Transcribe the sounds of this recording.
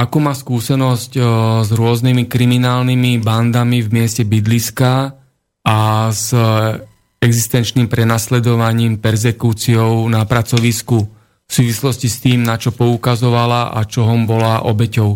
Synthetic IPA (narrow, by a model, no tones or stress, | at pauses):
akɔmaːskuːsɛnɔsczɾʊɔznimikɾiminaːlnimiband̪amivmɪɛscɛbid̪liska | ʔaz | ɛɡzist̪ɛnt͡ʃnimpɾɛnaslɛd̪ɔʋaɲiːmpɛɾzɛkuːt͡siɔʊnapɾat͡sɔʋisku | fsuːʋislɔscist̪iːmnat͡ʃɔpɔukazɔʋalaʔa̰t͡ʃɔɦɔmbɔlaʔɔbɛcɔʊ